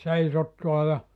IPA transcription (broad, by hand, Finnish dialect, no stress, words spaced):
seisotːuɑ jɑ